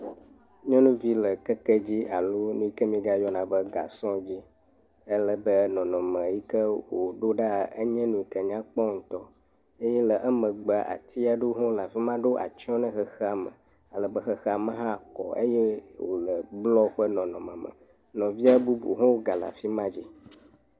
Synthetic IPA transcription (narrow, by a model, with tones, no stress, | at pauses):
ɲɔ̃˦nũ˦vi˦lə˨kɛ˦kɛ˦d͡ʑi˦a˨lo˦nũ˦i˦kə˦mĩ˦ɡa˦jɔ˦nã˨bə˦ɡa̰˨sɔ̃˦d͡ʑi˦ | ə˦lə˦bə˦nɔ̃˨nɔ̃˨mə̃˨ji˦kə˦wo˨ɖo˦ɖa˦˨ə˦ɲɛ̃˦nũ˨i˨kɛ˨ɲ˦ã˦k͡pɔ˦ŋ̩˨t̪ɔ˦ | e˦jɛ˦lə˨ʔɛ˦mə̃˨ɡ͡bə˨a˨ʔa̰˨t̪ʰi˦a˨ɖo˦ɦõ˦la˨fi˦mã˦ɖo˦ʔa̰˨t͡ʃɔ̃˦nɛ̃˦xə˨xə˦a˨mə̰̃˨ | a˨lə˨bə˦xə˦xa˨mə̃˦ɦã˦˨kɔ̰˨ḛ˦jɛ˦wo̰˨lə˨ɡ͡blɔ˦ɸə˦nɔ̃˨nɔ̃˨mə̃˨mə̰˨ | nɔ̃˨vi˦a˦bu˦bṵ˨ɦɔ̃˦wo˦ɡa˨la̰˨fi˦mã˦d͡ʑi˦